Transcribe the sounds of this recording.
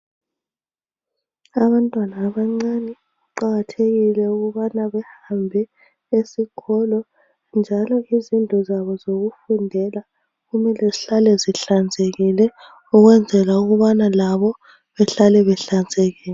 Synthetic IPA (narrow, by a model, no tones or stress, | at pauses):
aβantʼwanaːβaŋ͡ǀanɛ | uǃaɣatʰeɣilɛuɣuβanaβɛhambʱɛ | esiɣʰɔlɔ | nd͡ʒʱalɔizintʼɔzaβɔzoɣufundʱɛla | ɣumɛlɛziɬalɛziɬand͡zʱeɣilɛ | uɣwɛnd͡zʱɛlauɣuβanalaβɔ | βɛɬalɛβɛɬand͡zʱeɣɛːlɛ